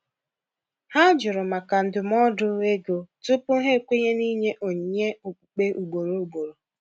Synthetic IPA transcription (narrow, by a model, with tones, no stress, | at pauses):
ha˦d͡ʒʊ˨ɾʊ˨ma˨ka˨n̩˨dʊ˨m˦ɔ˦dʊ˦e˦ɡo˨tʊ˦pʊ˦ɦe˦˨kʷe˦ɲe˦ni˦ɲe˦ʔo˨ɲi˨ɲe˦o˨k͡pu˨k͡pe˦ʔu˨ɡ͡bo˨ɾo˦u˦˨ɡ͡bo˨ɾo˨